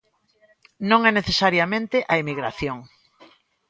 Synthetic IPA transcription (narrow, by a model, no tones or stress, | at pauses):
nõŋɛneθesaɾjamẽnt̪ɪʔaemiɣɾaθjoŋ